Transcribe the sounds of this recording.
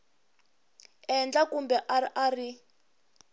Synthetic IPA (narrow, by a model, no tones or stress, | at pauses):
ɛnd͡ɮakumbɛʔaʔari